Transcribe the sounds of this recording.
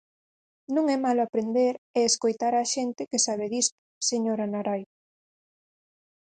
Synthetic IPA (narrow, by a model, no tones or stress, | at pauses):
nũŋɛmalapɾend̪eɾeːskojt̪aɾaʃent̪ɪkesaβ̞eðist̪ʊ̥seɲoɾanaɾaj